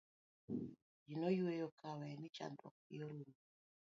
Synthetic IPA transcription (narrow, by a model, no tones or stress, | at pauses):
d͡ʒinojwejɔkawɛnɪt͡ʃa̰ndɔ̰k̚ijɔɾoɾu